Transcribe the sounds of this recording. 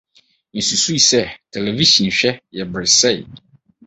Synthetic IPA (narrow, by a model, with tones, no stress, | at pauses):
n̩˨su˨su˦i˨sɛ˦tʰɛ˨le˨vi˦ɕĩ˨n̩˨ɕᶣɛ˦jɛ˨bɾɪ˨sɛ˦ɪ˨